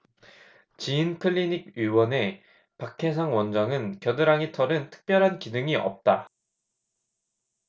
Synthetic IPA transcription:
t͡ɕiinkʰɯʎːiɲik̚ɥiwʌne̞ | pakʰe̞sʰaŋwʌnd͡ʑʌŋɯnkjʌdɯɾaŋitʰʌɾɯntʰɯ̥k̚p͈jʌɾɦankidɯŋiʌ̰p̚t͈a

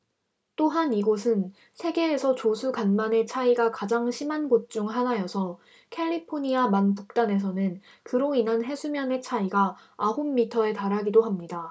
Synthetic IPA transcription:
t͈oɦaniɡosʰɯn | sʰe̞ɡe̞ːsʰʌt͡ɕosʰukanmane̞t͡ɕʰaiɡakad͡ʑaŋɕʰimanɡot̚t͡ɕ͈uŋɦanajʌsʰʌ | kʰe̞ʎːipʰoɲiamanpuk̚t͈ane̞s̬ʰʌnɯn | kɯɾoinanɦe̞sʰumjʌne̞t͡ɕʰaiɡaːɦomːitʰʌe̞taɾaɡidoɦamɲida

